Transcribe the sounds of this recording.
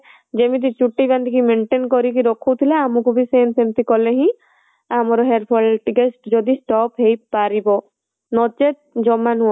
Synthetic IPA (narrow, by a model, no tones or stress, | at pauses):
d͡ʒemit̪̬it͡ʃuʈːiband̪ikimeɳʈenkɔɾik̬iɾɔkʰuwt̪ʰileamukubisensemt̪ikɔleɦĩ | amɔɾɔɦeɾpʰɔlʈikesʈd͡ʒɔd̪isʈɔpɦejpaɾibɔ | nɔt͡ʃe | d͡ʒɔmːanuɔ